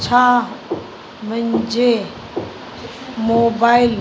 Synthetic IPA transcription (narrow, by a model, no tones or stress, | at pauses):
t͡ʃʰa | mə̃nd͡ʒe | moːbail